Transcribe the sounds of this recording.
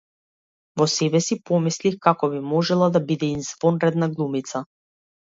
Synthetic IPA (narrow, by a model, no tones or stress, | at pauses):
vɔsɛbɛsipɔmislixkakɔbimɔʒɛlˠad̪abid̪ɛinzvɔnɾɛd̪̚naɡlˠumit̪sa